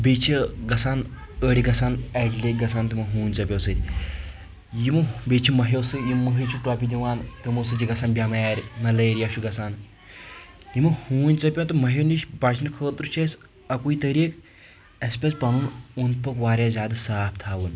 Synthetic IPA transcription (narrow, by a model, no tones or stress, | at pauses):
bet͡ʃʰiɡɐsaːn | əɽiɡɐsaːneɖleɡɐsaːnt̪ɨmɐɦuːnʲt͡sɐpʲowsɨɾʲ | jimɐbet͡ʃʰimɐɦewsɨjimːɐɦit͡ʃʰuʈɔːpʲid̪iʋaːnk̪əmosɨd͡ʒiɡɐsaːnbʲjaːmɐjaːɾʲmɐləːɾjaʃuɡɐsaːn | jimɐhuːnʲt͡sɐpʲjont̪ɨmɐɦeniʃbat͡ʃʰnɐkʰəːt̪ɾut͡ʃʰes | ɐkuit̪ɐɾiːk | ɐspʲespɐnuːnunt̪̚pɐkʋaːɾʲjaːzʲaːd̪saːpt̪ʰaːʋɨn